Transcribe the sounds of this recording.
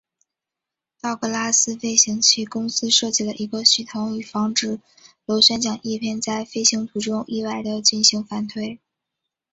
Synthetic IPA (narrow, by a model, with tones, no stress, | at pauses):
t̪ɑ˥˩ʊkɤ˧˥la˥sɹ̩˥fe˥ɪɕi˧˥ŋt͡ɕʰi˥kʊ˥ŋsɹ̩˥ʂɤ˥˧t͡ɕi˥˩lə˩ʔi˧˥ɡə˧ɕy˥˩t̪ʰʊ˧˥ŋy˨˩fɑ˥ŋʈ͡ʂɻ̩˥˩ | lo˧˥ʊɕɥɛ˥nt͡ɕjɑ˨˩ŋʔi˥˧pʰjɛ˥˧nt͡sa˥˧ɪfe˥ɪɕi˧˥ŋt̪ʰu˧˥ʈ͡ʂʊ˥ŋʔi˥˧wa˥˩ɪd̪ə˩t͡ɕi˥˩nɕi˧˥ŋfa˧˩nt̪ʰwe˥˩ɪ